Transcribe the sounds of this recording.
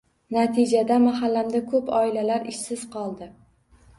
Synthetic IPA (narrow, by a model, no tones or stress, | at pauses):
nat̪ʰɪd͡ʒad̪amaɦalːamd̪akʰɵpʰɒɪlalaɾɪʃsɪz̥qʰɒlˠd̪ɪ